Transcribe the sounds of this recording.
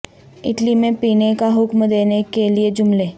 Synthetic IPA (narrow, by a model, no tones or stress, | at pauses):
ɪ̰ʈlimẽpinekaɦʊkməd̪enekelied͡ʑumle